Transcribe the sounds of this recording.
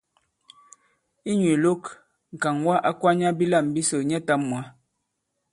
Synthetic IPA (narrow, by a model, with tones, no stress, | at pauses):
i˦ɲ˨e˨lo˦k | ŋ̩˨ka˨ŋwa˦ʔa˦kwa˦ɲa˦bi˦la˦˨m˨bi˦so˨ɲɛ˦ta˦mmːwa˨˦